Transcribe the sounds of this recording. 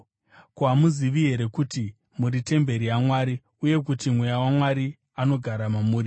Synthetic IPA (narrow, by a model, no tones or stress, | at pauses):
koamuziʋiɦe̞ɾe̞kuti | muɾite̞mbe̞ɾiamwaːɾi | uje̞kutimwejawamwaɾi | ano̞ɡʱaɾamamuːɾi